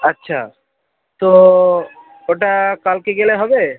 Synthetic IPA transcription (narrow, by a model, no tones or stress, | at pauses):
ətːʃʰa̰ | t̪o | oʈakalkeɡeleɦɔbe